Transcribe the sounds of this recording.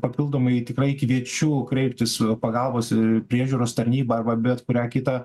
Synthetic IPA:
pɐpʲɪlˠd̪oːmɐɪt̪ʲɪkrɐɪɪkʲɪʋʲiɛt͡ʃʲuːkɾʲɛɪpʲt̪ʲɪspɐɡɐlˠboːsɪpʲɾʲiɛʒʲuːɾoːst̪ɐɾʲnʲiːbɐɐrbɐbʲɛt̪kʊɾʲæːkʲɪt̪ɐ

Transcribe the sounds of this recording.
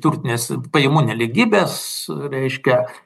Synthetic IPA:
t̪uɾʲt̪ʲɪnʲeːspɐjɪmuːnʲɛlʲɪɡʲiːbʲeːsɾʲɛɪʃʲkʲɛ

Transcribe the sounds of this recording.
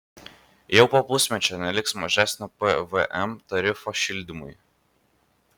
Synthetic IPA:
jɛʊpopʊsʲmʲɛt͡ʃʲɛnʲɛlʲɪksmɐʒʲæsʲnʲopɛʋɛʔɛmt̪ɐɾʲɪfɔʃʲɪlʲd̪ʲɪmʊj

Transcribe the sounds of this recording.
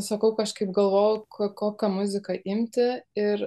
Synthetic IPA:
sɐkɐʊkɐʃkɐɪp̚ɡɐlˠʋoːjʊkkoːkʲɐmʊzʲɪkɐʔɪmʲt̪ʲɪɪɾ

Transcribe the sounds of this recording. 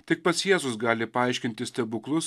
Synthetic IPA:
t̪ʲɪk̚pɐsjeɛzʊsɡɑːlʲɪpɐɐˑɪʃʲkʲɪnʲt̪ʲɪsʲt̪ʲɛbʊklˠʊs

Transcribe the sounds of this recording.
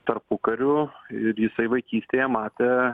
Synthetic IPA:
t̪ɐrpʊkɐɾʲʊɪɾjɪsɐɪʋɐɪkʲiːsʲt̪ʲeːjɛmɑːt̪ʲe

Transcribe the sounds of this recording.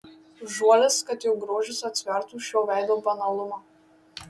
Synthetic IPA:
ʒuɔlʲɪskɐt̪jɛʊɡɾoːʒʲɪsɐt̪ʲsʲʋʲɛɾt̪uːˑʃʲjoːʋʲæˑɪd̪oːbɐnɐlˠʊmɑː

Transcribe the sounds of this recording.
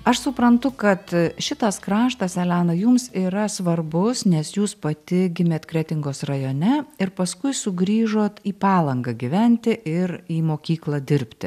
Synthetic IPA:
ɐʃsʊpɾɐnt̪ʊkɐt̪ʃʲɪt̪ɐskɾɑːʃt̪ɐsɛlʲæːnɐjʊmsiːɾɐsʋɐrbʊsnʲɛsjuːspɐt̪ʲɪɡʲɪmʲeːt̪kɾʲɛt̪ʲɪŋɡoːsrɐjoːnʲɛɪɾpɐskʊɪsʊɡɾʲiːʒoːt̪iːpɑːlˠɐŋɡɐɡʲiʋʲɛnʲt̪ʲɪʔɪɾiːmoːkʲiːklˠɑd̪ʲɪɾʲpʲt̪ʲɪ

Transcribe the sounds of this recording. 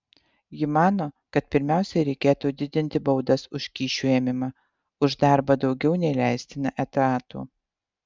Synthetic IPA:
jɪmɑːnoːkɐt̪̚pʲɪɾʲmʲæˑʊsʲɛɾʲɛɪkʲeːt̪uːd̪ʲɪd̪ʲɪnʲt̪ʲɪbɐʊd̪ɐsʊʃʲkʲiːʃʲuɛmʲɪmɐ | ʊʒd̪ɑˑɾbɐd̪ɒʊɡʲɛʊnʲɛɪlʲæɪsʲt̪ʲɪnɐʔɛt̪ɑːt̪ṵː

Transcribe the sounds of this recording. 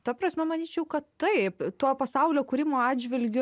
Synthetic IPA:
t̪ɐpɾɐsʲmʲɛmɐnʲiːt͡ʃʲɛʊkɐt̪t̪ɐɪpt̪uɔpɐsɐʊlʲoːkuːɾʲɪmoːɑːdd͡ʒʲʋʲɪlʲɡʲʊ

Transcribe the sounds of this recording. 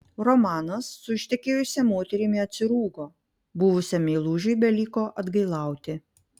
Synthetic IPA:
ɾɔmɑːnɐsːʊɪʃʲt̪ʲɛkʲeːjʊsʲɛmoːt̪ʲɛɾʲɪmʲɪɐt̪ʲsʲɪɾuːɡoː | bʊʋʊsʲɛmʲelˠuːʒʲɛɪbʲɛlʲiːkoːʔɐd̪ɡɐɪlˠɑˑʊt̪ʲɪ

